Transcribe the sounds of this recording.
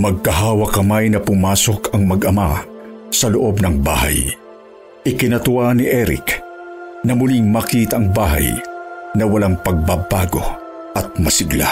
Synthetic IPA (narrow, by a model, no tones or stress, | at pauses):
mɐɡ̚kɐɦaːwɐkɐmajnɐpʊmaːso̞kɐŋmɐɡʔɐmasɐloʔobnɐŋba̰ːha̰j | ʔɪkɪnɐt̪ʊwaniʔɛɾɪ̰k | nɐmʊliŋmɐkiːt̪ɐʔɐŋbaːɦa̰jnɐwɐlaŋpɐɡ̚babaːɡo̞̰ | ʔɐt̪̚mɐsɪɡla̰